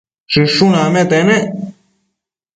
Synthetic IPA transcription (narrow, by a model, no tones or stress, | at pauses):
ʂɨʂũnãmẽt̪enẽ